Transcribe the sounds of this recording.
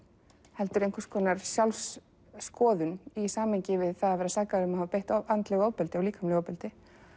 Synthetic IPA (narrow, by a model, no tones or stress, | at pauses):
hɛlt̪ʏɾejŋkʏ̥ɾskʰvɔːnaɾ̥sjawlsː | kɔːðʏnisaːmhejɲcɪvɪðθaðavɛɾasaːkaɾʏmahavapejht̪ant̪lɛɣowpɛlt̪ɪɔwliːkʰamlɪɣowpɪlt̪ɪ